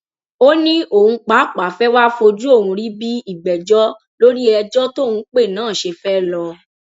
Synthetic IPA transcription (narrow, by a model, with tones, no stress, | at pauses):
o˦nĩ˦ʔo˨hũ˧k͡pa˨˦k͡pa˨fɛ˦wa˦fo˧d͡ʒu˦o˦˨hũ˧ɾi˦bi˦i˦˨bɛ˨d͡ʒɔ˦ | lo˦ɾi˦ɛ˧d͡ʒɔ˦to˦˨hũ˧˦k͡pe˦˨nãː˨˦˨ʃe˧fɛ˦lɔ˧